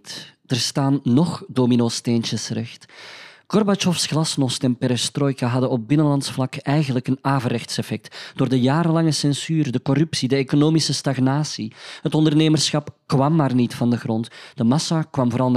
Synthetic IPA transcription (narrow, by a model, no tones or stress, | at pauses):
td̥ərstaːnːɔxdoːminoːstent͡ʃəsrɛxtkɔrbat͡ʃɔfsxlɑsnɔstɛnpɛɾɛstrɔːjkaɦɑdənɔp̚bɪnənlɑntsflɑkɛjɣənləkənaːvərɛxtsɛfɛk̚td̥oːrdəjaːɾəlɑŋəsɛnsyːrdəkɔrʏpsidəeːkonoːmisəstɑɣnaːsiɦətɔndərneːmərsxɑpkʋɑmːaːrnitfɑndəɣrɔntd̥əmɑsakʋɑmvoːɾɑlˠ